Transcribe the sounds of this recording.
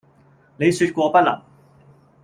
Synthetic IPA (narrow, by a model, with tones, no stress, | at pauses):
ne˨˧jsy˧t̚kʷɔː˧pɐ˥t̚lɐ̰˨˩ŋ